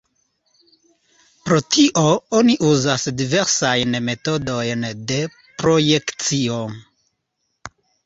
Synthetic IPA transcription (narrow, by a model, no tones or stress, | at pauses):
pɾo̞tiʔo̞o̞niʔuzasdive̞ɾsajnme̞to̞do̞jnde̞ | pɾo̞je̞kt͡sio̞